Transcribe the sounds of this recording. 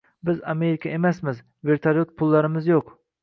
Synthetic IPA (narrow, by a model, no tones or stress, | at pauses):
bɪzameɾɪkʲʰɑemɛsmɪz | veɾt̪ʰaɾjot̪̚pʰulˠːɑɾɪmɪzjoq